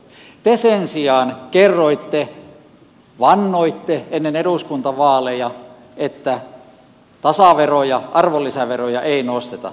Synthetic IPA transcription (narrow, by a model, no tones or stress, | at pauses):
t̪esensiɑːnkerːoit̪ːe | ʋɑnːoit̪ːeenːeneɾuskunt̪ɑʋɑːlejɑ | et̪ːæ | t̪ɑsɑʋerojɑʔɑrʋolːisæʋerojɑʔeˑinost̪et̪ɑ̰